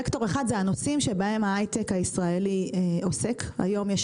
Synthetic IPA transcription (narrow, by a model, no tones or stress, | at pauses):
ekto̞ʁeχad̪zeanosimʃebahe̞maajtekaisʁaelio̞se̞ka̰jo̞mjeʃ